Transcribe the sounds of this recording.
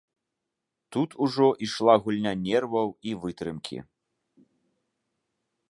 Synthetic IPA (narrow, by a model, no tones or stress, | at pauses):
t̪ut̪ʰuʐɔʔiʂlˠaɣulʲnʲanʲɛrvɐwivɨt̪ɾɨmkʲḭ